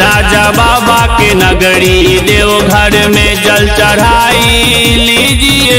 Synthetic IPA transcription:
ɾaːd͡ʒabaːbaːkenɐɡəɽi | ɗeːʋoɡʱɐɽmẽt͡ʃɐlt͡ʃɐɽ̤aː | i | liːd͡ʒi

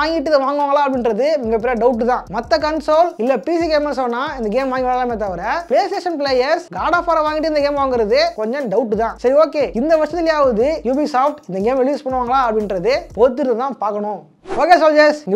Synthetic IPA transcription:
aːŋɡɪʈːɯðɯʋaːŋɡɯʋaːŋɡɐɭaːɐpɐɽɪnɾɐðɯmɪŋɡɐpːɛɾijɐɖɐʊʈ̬ːɯt̪ãːmɐt̪ːɐkɐnsoːlɪlːɐpiːsiɡeːmɐɾsoːnːaːɪnd̪ɐɡeːmʋaːŋɡɪʋɭɐlaːmeːt̪ːaʋɐɾɐpleːsʈeːʂɐnpɭeːjɐɾsɡaːɽaːpoːɾɐʋaːŋɡɪʈːɯɪndɐɡeːmʋaːŋɡɪɾɐðɯkɔɲd͡ʒɔ̃ɖɐʊʈːɯt̪ãːsɐɾioːkeːɪnd̪ɐʋɐʂɐt̪ːɪlɪjaːʋɐðɯjuːbiːsaːpʈɪnd̪ɐɡeːmɾɪlɭjuːspɐɳːɯʋaːŋɡɐlaːɐpɽɪnɾɐðɯpoːɾt̪̬ːɯɾɯðɐt̪ãːpaːɾkɐɳʊ̃ | oːkeːs̬oːld͡ʒesɪŋɡɐ

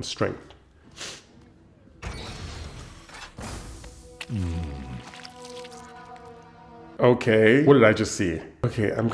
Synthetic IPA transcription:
nstɹ̥ɛ̰̃ŋk̚θ | oʊkʰeɪwʌt̚dɨɾaɪd͡ʒʌstsioʊkʰeɪʔã̰ɪ̃mɡ

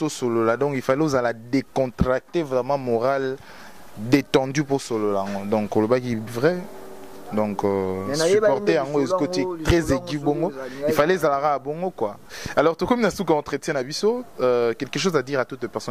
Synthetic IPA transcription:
osololadɔ̃kilfaleozaladekɔ̃tʁak̚tevʁɛmɑ̃moʁal | detɑ̃dyposololajaŋɡodɔ̃ŋkolobakivʁɛ | dɔ̃kssypɔʁt̪ejaŋɡoezkotitʁɛzeɡiboŋɡoifalezalakaabɔŋɡokwaalɔʁtokominasukaɔ̃tχetjɛ̃nabisokɛlkəʃozadiʁatut̪pɛʁsɔ

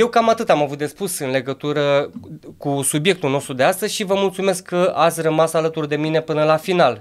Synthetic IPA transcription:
je̞wkamat̪ɨt̪amavut̪̚d̪e̞spusɨnle̞ɡət̪uɾəkusubje̞k̚t̪ulno̞st̪ɾud̪east̪əzʃivəmult̪sume̞skʰːəat̪sʲrəmasalət̪urd̪e̞mine̞pɨnəlafinal

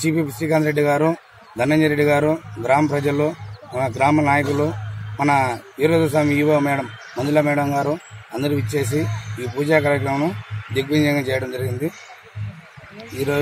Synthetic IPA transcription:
siːpiːpisiːk̬enɾeɖːiɡaːɾu | d̪ʱɐnːɐnd͡ʒɐɾeɖːiɡaːɾuɡɾaːmɐpɾɐd͡ʒɐlːoːmɐnɐɡɾaːmɐnaːjɐkulːoːmɐnɐiɾoːd̪us̬aːmiiːʋɐmɛːɽɐmːɐnd̪ulɐmɛːɽɐmɡaːɾuɐnd̪ɐɾiʋit͡ʃːe̞ːs̬iiːpuːd͡ʒaːkaːɾjɐkɾɐmɐnud̪iɡʋiɲd͡ʒɐŋɡaːt͡ʃɛːjɐɽɐmd͡ʒɐɾiɡind̪i | iːɾoː

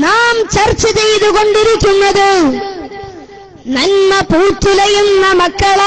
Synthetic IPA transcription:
naːmt͡ɕɐrt͡ɕːɐt͡ɕejðukoɳɖiɾikʲːunːɐðɨ | nɐnmɐpuːt̪ːɪlɐjunnɐmɐkːɐɭa

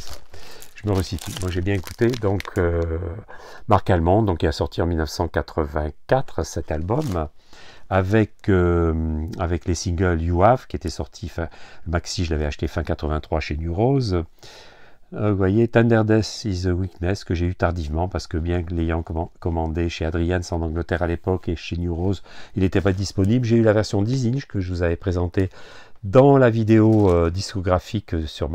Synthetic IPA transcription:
ʒ̥əməʁəsit̪ymwaʒebjɛ̃eku̥t̪ed̪ɔ̃kʰø | maʁkalmɑ̃d̪ɔ̃kɛlasɔʁt̪ʰiɑ̃milnəfsɑ̃kat̪χəvɛ̃kat̪χsɛt̪albɔm | avɛkø | avɛklesĩŋɡœljuafkʲiet̪ɛsɔʁt̪ʰifɛ̃əmaksiʒəlavɛaʃə̥t̪efɛ̃kat̪χəvɛ̃t̪χwaʃenyʁoz | vwajet̪ɛ̃nd̪ɛʁd̪ɛsizwiknɛskəʒeyt̪aʁd̪ivmɑ̃paʁsə̥kəbjɛ̃lejɑ̃kɔmɑ̃d̪eʃead̪ʁijansɑ̃nɑ̃ɡlət̪ɛʁalepɔkeʃenjuʁozilet̪ɛpad̪ispɔniblʒeylavɛʁsjɔ̃d̪izinʒkəʒəvuzavɛpχezɑ̃t̪ed̪ɑ̃lavid̪eoød̪iskɔɡʁafiksyʁm

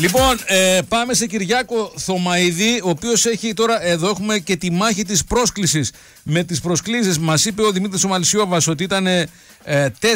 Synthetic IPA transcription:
lipo̞nepɐme̞se̞ciɾʝɐko̞θo̞mɐiðio̞ːpio̞se̞çit̪o̞ɾɐʔe̞ðo̞exume̞ce̞t̪imɐçit̪ispɾo̞sklisis | me̞t̪ispɾo̞sklis̬izmɐsipe̞o̞ðimit̪ɾisomɐlisjo̞vɐso̞t̪iit̪ɐne̞ | t̪e

